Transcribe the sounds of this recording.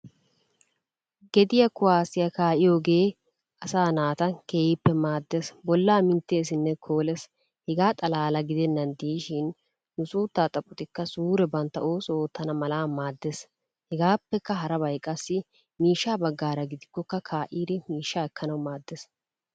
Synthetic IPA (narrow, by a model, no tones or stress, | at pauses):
ɡɛd̪ɪjɐkʊwaːsɪjɐkaːʔɪjo̞ːɡe̞ː | ʔɐsaːnaːt̪ɐke̞ːjɪpːɛmaːd̪ːesbɔlːaːmɪnt̪ːe̞ːs̬ɪnːɛkʰo̞ːlɛs | hɛɡaːt̪ʼɐlaːlɐɡɪd̪ɛnːɐnd̪iːʃɪn | nʊsuːt̪ːaːt̪ʼɐpʼʊt̪ɪkːɐsuːɾɛbɐnt̪ːɐʔoːsoːt̪ːɐnɐmɐlaːmaːd̪ːes | hɛɡaːpːɛkːɐɦɐɾɐbɐjkʼːɐsːɪ | miːʃːaːbɐɡːaːɾɐɡɪd̪ɪkːɔkːɐkʰaːʔiːd̪ɛmiːʃːaːɛkːɐnɐwmaːd̪ːes